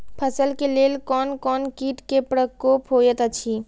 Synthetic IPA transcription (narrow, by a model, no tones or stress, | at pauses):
pʰəsəlkeleːlkɔːnkɔːnkiːʈkepɾəkoːpɦoːjət̪ət͡ʃʰi